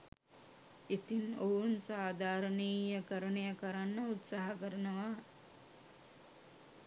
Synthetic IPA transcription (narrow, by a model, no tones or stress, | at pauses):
it̪inounsaːd̪aːɾənejəkəɾənejəkəɾanːəut̪saɦakəɾənəʋa